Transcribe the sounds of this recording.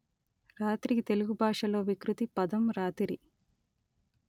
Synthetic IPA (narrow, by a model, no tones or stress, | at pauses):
ɾaːt̪ɾit̪e̞luɡubʱaːʂɐlo̞ːʋikɾut̪ipɐd̪ɐmɾaːt̪iɾi